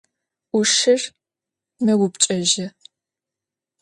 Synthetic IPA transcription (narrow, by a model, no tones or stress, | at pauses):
uʃɪr | mɐwʊpt͡ʃʼɐʒɐ